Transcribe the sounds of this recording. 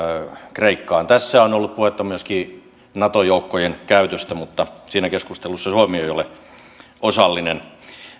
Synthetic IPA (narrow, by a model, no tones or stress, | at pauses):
kreikːɑːnt̪æsːæonolːup̪̚puhet̪ːɑmyøskiː | nɑt̪ojoukːojenkæyt̪øst̪æmut̪ːɑsiːnækeskust̪elusːɑsuomioeijole | ʔosɑlːinen